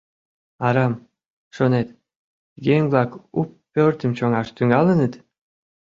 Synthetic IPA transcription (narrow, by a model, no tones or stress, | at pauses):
ɑɾɑm | ʃonet̪ | ɣeŋβlɑkupːørt̪ə̆mt͡ɕoŋɑʃt̪yŋɑlənə̆t̪